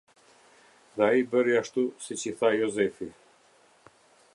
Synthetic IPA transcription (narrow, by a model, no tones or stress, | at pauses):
ðɛaibəɾiaʃt̪usit͡ɕiθajɔzɛfi